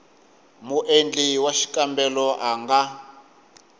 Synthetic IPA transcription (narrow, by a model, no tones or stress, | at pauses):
muʔend͡ɮiwaʃi̥kʼambɛlɔʔaŋɡa